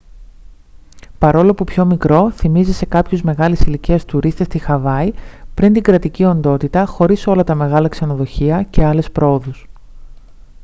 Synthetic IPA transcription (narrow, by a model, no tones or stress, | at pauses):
pɐɾo̞lopupço̞mikɾo̞θimizise̞kɐpçuzme̞ɣɐlisiliciɐst̪uɾist̪e̞st̪ixɐvɐipɾint̪iŋɡɾɐt̪icio̞nd̪o̞t̪it̪ɐxo̞ɾiso̞lɐt̪ɐme̞ɣɐlɐkse̞no̞ðo̞çiɐce̞ɐle̞spɾo̞oðus